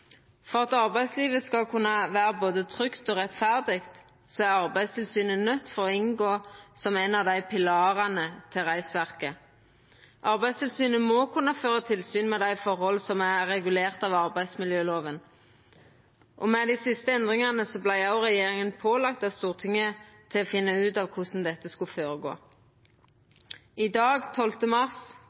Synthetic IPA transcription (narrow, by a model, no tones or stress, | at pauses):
fɔʁɑt̪ɑʁbæɪsliːʋəskɑlkʰʉnːɑʋæːʁəboːd̪ət̪ʰʁʏkt̪ɔːʁɛt̪fæʁd̪ɪɡt̪ | sɔæʁɑʁbæɪst̪ʰɪlsyːnənœt̪ːfɔʁɔɪŋɡoːsɔmænɑʋd̪æɪpʰɪlɑːʁɑnət̪ʰɪlʁæɪsʋæʁkə | ʔɑʁbæɪd̪st̪ʰɪlsyːnəmɔkʰʉnːɑføːʁət̪ʰɪlsyːnmɛd̪æɪfɔʁhɔlsɔmæʁɛɡʉleːʁt̪ɑʋɑʁbæɪd̪smɪljøːloːʋən | ʔɔmɛd̪ɪsɪst̪əɛnd̪ʁɪŋɑnəsɔblæɪɑʊʁɛjeːʁɪŋənpʰoːlɑk̚t̪ɑst̪uːʁt̪ʰɪŋːət̪ʰɪlɔfɪnːəʉːt̪ɑʋkʰʊsn̩d̪ɛt̪ːəskʉføːɾəɡo̰ː | ɪd̪ɑːɡt̪ʰɔlt̪əmɑʁs